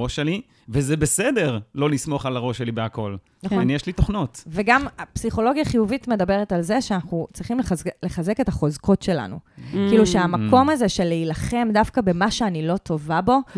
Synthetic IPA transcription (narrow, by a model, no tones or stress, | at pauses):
oʃeli | vezebesede̞ʁlo̞lismo̞χalaʁo̞ʃelibeako̞l | njeʃlitoχno̞tveɡamapsiχo̞lo̞ɡjaχijuvitme̞dabe̞ʁetalze̞ʃeanaχnut͡sʁiχimlele̞χaze̞ke̞taχo̞zko̞tʃe̞la̰nṵkiiluʃeamako̞maze̞ʃe̞lːeilaχe̞mdafkabe̞maʃeanilo̞tʰo̞vabo̞